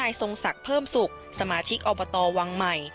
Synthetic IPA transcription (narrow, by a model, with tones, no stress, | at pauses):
aː˧jso˧ŋsa˨˩k̚pʰɤː˥˩msu˨˩k̚ | sa˧maː˧t͡ɕʰi˦˥k̚ʔɔː˧bɔː˧t̪ɔː˧wa˧ŋma˨˩j